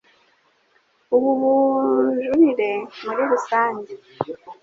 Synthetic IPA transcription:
uβuβuʒuβiɾe̞muɾiɾusaːɲɟi

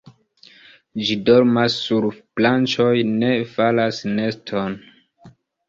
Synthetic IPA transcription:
d͡ʒidoɾmasːuɾplant͡ʃo̞jne̞falasne̞stʰo̞n

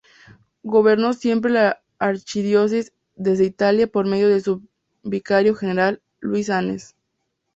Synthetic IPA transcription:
ɡo̞βe̞ɾno̞sje̞mp̬ɾe̞laː | ɾt͡ʃiðjo̞s̬iz | ðe̞zðeit̪aljapo̞ɾme̞ðjo̞ðesu | bikaɾjo̞xe̞ne̞ɾalː | wis̬anḛs

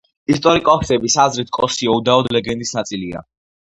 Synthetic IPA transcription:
ist̪ʼɔɾikʼɔsɛbisazɾit̪ʰkʼɔsiɔud̪aɔd̪lɛɡɛnd̪isnat̪sʼilia̰

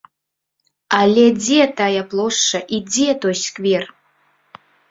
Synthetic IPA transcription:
alʲed͡zetʰajapʼlˠoʂɐʔid͡zetʰojskʼver

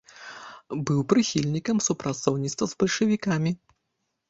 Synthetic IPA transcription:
bɨwpɾɨxʲilʲnʲikɐmsupɾat̪sɔwnʲit̪st̪vɐzbɐlʲʂɐvʲikamʲi

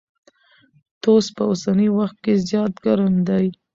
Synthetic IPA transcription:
t̪ospəosaniwaxt̪̚kezjɑt̪ɡaɾamd̪aj

